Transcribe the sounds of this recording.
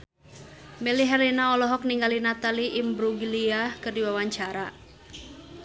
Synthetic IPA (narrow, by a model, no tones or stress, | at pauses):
meliɦɛlinaɔlɔɦɔk̚niŋɡalinat̪aliʔimbɾuɡiliahkɨrdiwawaɲt͡ʃaɾa